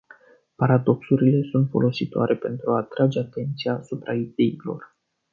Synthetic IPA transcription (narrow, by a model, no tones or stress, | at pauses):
paɾad̪o̞ksuɾile̞sunt̪fo̞̰lo̞sit̪oa̰ɾʔe̞pe̞nt̪ɾuaːt̪ɾad͡ʒe̞at̪e̞nt̪siasupɾaid̪e̞ilo̞̰r